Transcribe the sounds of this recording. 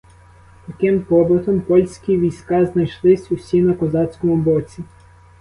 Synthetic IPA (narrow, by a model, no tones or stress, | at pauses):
t̪ɐkɪmpɔbɔt̪ɔmpɔlʲsʲkʲiʋʲijsʲkɑznɐjʃlˠɪsʲusʲinɐkɔzɑt͡sʲkɔmʊbɔt͡sʲi